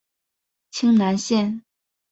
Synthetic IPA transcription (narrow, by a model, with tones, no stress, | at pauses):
t͡ɕʰi˥ŋna˧˥nɕjɛ˥˨n